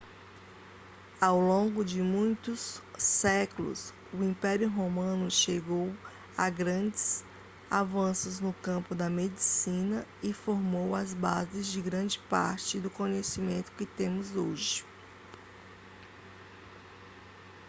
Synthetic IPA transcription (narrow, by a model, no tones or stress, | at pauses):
awlõɡʊd͡ʒɪmũj̃t̪ʊsːɛklʊ̰s | ʊĩpɛɾjʊɦomɐ̃nʊʃeɡow | ɐɡɾɐ̃d͡ʒɪs | avɐ̃sʊznʊkɐ̃pʊd̪ɐmed͡ʒisĩnɐɪfoɾmowɐzbazɪzd͡ʒɪɡɾɐ̃d͡ʒɪpa̰ɾt͡ʃɪd̪ʊkõɲesimẽnt̪ʊ̥kɪt̪ẽmʊzoʒɪ